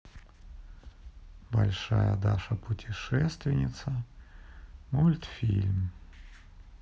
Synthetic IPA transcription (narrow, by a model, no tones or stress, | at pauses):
bɐlʲʂajə̰d̪aʂəpʊtʲɪʂɛst̪vʲɪnʲɪt̪sə | mulʲt̪fʲḭlʲm